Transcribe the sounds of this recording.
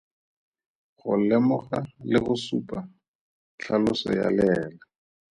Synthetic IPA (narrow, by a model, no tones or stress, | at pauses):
χʊlɛmʊχalɪɣʊsupa | t͡ɬʰalʊsɔ̰ja̰lɛːla